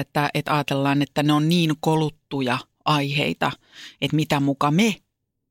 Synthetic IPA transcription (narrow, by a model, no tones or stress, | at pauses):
et̪ːæet̪ɑːt̪elːɑːnet̪ːæneonniːŋkolut̪ːujɑ | ɑihḛit̪ɑ | et̪mit̪æmukɑme